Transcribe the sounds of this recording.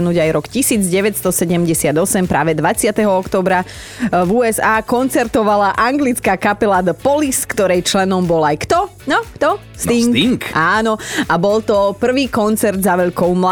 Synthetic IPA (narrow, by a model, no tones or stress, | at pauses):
nuːɟajɾɔkcisiːd͡zɟɛʋɛt̪st̪ɔsɛɟɛmɟɛsɪad̪ɔsɛmpɾaːʋɛd̪ʋat͡sɪat̪ɛɦɔɔkt̪ɔːbɾa | vuːɛzaːkɔnt͡sɛɾt̪ɔʋalaʔaŋɡlit͡skakapɛlad̪pɔliskt̪ɔɾɛjt͡ʃlɛnɔmbɔlajkt̪ɔ | nɔkt̪ɔ | st̪iŋiŋkʔaːnɔabɔlt̪ɔpr̩ʋiːkɔnt͡sɛɾd̪zaʋɛʎkɔʊmla